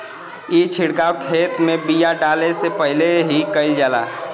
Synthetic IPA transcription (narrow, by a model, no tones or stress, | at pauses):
it͡ʃʰiɽkawkʰet̪mebijaɖalesepəɦileɦikəɪld͡ʒala̰